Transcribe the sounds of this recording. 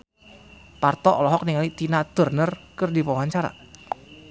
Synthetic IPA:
part̪ɔʔɔlɔɦɔk̚niŋalit̪inad̪̥ə̤rnərkərdipawaɦant͡ʃaɾa̰

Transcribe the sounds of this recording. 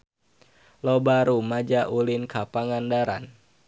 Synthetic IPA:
lɔbaɾumad͡ʒaʔulinkʰapaŋandaɾa̰n

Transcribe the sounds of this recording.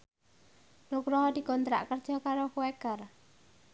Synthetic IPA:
nukɾɔɦɔd̪̥i̤kɔnt̪ɾa̰ʔkərdd͡ʒʒ̥ɔ̤kaɾokuwekar

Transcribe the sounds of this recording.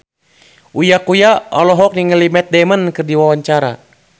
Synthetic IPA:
ujakujaɔ̰lɔɦɔk̚niŋəlimɛt̪̚dɛmənkɨrdiwawaɲt͡ʃaɾa̰

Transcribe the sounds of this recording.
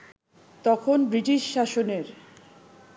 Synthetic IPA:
t̪ɔkʰonbɾiʈiʃːaʃoneɾ

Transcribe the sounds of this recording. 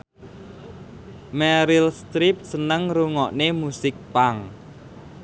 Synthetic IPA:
mɛɾilst̪ɾip̚sənəŋɾuŋɔʔnemusɪk̚paŋ

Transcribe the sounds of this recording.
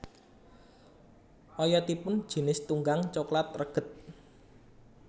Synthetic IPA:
ʔɔjɔt̪ipʊnd̥ʒ̥i̤nɪst̪uŋɡaŋt͡ʃɔklat̪̚rəɡ̥ə̤t̪̚

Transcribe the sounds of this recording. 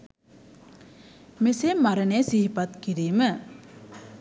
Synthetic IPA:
mesemːaɾənejːsiɦipat̪kiɾiːmə

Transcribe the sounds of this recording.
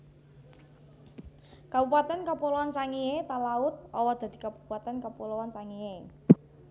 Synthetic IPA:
kabupat̪ankəpulowansaŋiet̪alaʊt̪̚ɔwɔd̪̥a̤d̪̥i̤kapupuat̪ankəpulowansaŋije

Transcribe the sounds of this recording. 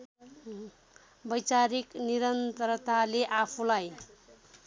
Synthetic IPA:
bʌjt͡saɾikniɾʌnt̪ʌɾt̪aleʔapʰũlaj

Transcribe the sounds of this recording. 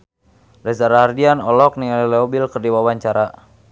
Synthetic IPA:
dɛzaɾaɦardianɔlɔk̚niŋalilɛɔbilkərdiwawaɲt͡ʃaɾa

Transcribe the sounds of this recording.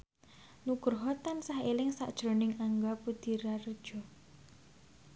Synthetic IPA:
nukʊrɦɔt̪ansahelɪŋsa̰ʔd̥ʒ̥ɾonɪŋaŋɡapud̪̥i̤ɾarəd̥ʒ̥ɔ̤

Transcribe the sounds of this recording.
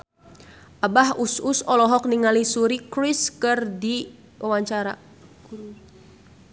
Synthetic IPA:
ʔabahususɔlɔɦɔk̚niŋalisuɾikɾiskɨrdi | wawaɲt͡ʃaɾa

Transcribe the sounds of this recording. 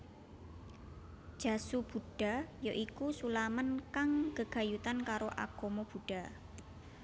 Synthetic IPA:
d̥ʒ̥a̤sub̥ṳɖ̥a̤joʔikusulamənkaŋkəɡ̥a̤jut̪ankaɾoʔa̰ɡ̥omob̥ṳɖ̥a̤

